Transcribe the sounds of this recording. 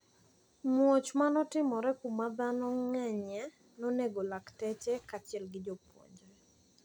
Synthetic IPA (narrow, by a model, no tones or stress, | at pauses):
mwɔt͡ʃmanɔtɪmɔɾɛkumad̪anɔŋɛɲɛ | nɔneɡolaktɛt͡ʃɛkat͡ʃɪɛlɡɪd͡ʒɔpwo̰ɲd͡ʒɔ